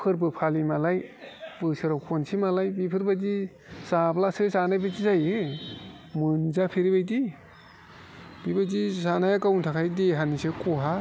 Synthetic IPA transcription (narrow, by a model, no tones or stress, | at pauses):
pʰɯɾbɯpʰalimalajbɯsɯɾawkʰonsimalajbipʰɯɾbadi | saplasɯsanajbazizajɯ | mɯnzapʰeɾibajdi | b̥ibazisanajakawntʰakʰajdeɦanisekoɦa